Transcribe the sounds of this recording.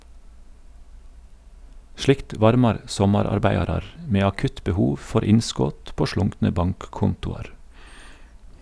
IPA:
ˈʃlɪkt ˈʋɑɾmɑɾ ˈsɔmɑɾɑɾˌbæɪɑɾɑɾ m ˈmeː ɑˈkʉt bəˈhuːʋ ˈfɔɾ ˈɪnˌskoːt ˈpoː ˈʃɭʊŋknə ˈbɑŋkˌkʊntʊɑɾ

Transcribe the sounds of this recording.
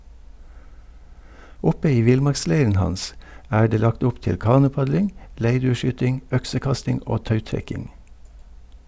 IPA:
ˈʊpə ˈiː ˈʋɪlˌmɑɾkˌsleɪɾən ˈhɑns ˈæː ˈɖeː ˈlɑkt ˈʊp ˈtɪl ˈkɑːnʊˌpɑɟlɪŋ ˈleɪɖʉːəˌʃyːtɪŋ ˈœksəˌkɑstɪŋ ˈʔoː ˈtɑʉtɾɛkɪŋ

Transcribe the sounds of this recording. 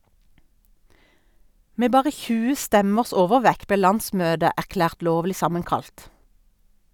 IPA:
ˈmeː ˈbɑːʁə ˈçʉːə ˈstɛməʁs ˈoːʋəˌʋɛk ˈbeː ˈlɑnˌsmøːdə æʁˈklæːʁt ˈloːʋlɪ ˈsɑməŋˌkɑlt

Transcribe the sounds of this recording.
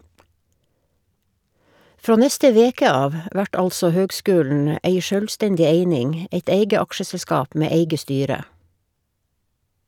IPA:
ˈfɾoː ˈnɛstə ˈʋeːkə ˈɑːʋ ə ˈʔʋæʈ ˈɑlsɔ ˈhøːɡˌskʉːln̩ ə ˈʔeɪ ˈʃœlˌstɛɲɟɪ ˈeɪnɪŋ ə ˈʔeɪt ˈeɪɡə ˈɑkʃəsɛlˌskɑːp ˈmeː ˈeɪɡə ˈstyːɾə

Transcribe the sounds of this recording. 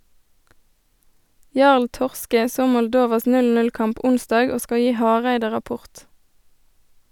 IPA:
ˈjɑʁl ˈtɔʁskə ˈsoː mɔlˈdoːʋɑs ˌnʉlˌnʉlˈkɑmp ˈʔʊnˌsdɑːɡ ˈoː ˈskɑ ˈjiː ˈhɑːʁæɪdə ʁɑˈpʊʁt

